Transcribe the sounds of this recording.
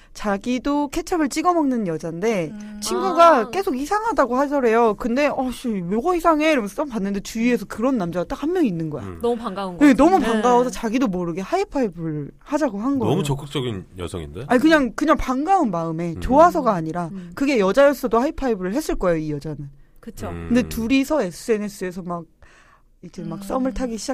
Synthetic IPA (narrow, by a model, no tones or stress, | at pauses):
t͡ɕaɡidokʰe̞t͡ɕʰabɯɭt͡ɕ͈iɡʌmʌŋnɯnjʌd͡ʑande̞t͡ɕʰinɡuɡak͈e̞sʰoɡisʰaŋɦadaɡohasʰʌɾe̞jokɯnde̞ʌɕimoɡʌhisʰaŋɦe̞ɾomss͈ampanːɯnde̞t͡ɕuie̞sʰʌkɯɾʌnːamd͡ʑaɡat͈akhanjʌŋinːɯnɡʌja̰mupaŋɡauŋɡe̞nʌmupaŋɡawʌsʰʌt͡ɕaɡidomoɾɯɡe̞haipʰaibɯɭ | had͡ʑaɡohanɡʌʌmut͡ɕʌk͈ɯk̚t͡ɕ͈ʌɡinjʌ̰sʰʌ̰ŋḭnde̞aɲikɯɲaŋkɯɲaŋpaŋɡaunmaɯme̞t͡ɕoasʰʌɡaːɲiɾakɯɡe̞jʌd͡ʑajʌs͈ʌdohaipʰaibɯɾɯɭhe̞s͈ɯɭk͈ʌejoijʌd͡ʑanɯnkɯt͡ɕʰokɯndetuɾisʰʌe̞s͈ʰɯe̞ne̞s͈ʰɯe̞sʰʌmaɡ̚ | ikʰemak̚s͈ʌmɯɭtʰaɡiɕʰid͡ʑa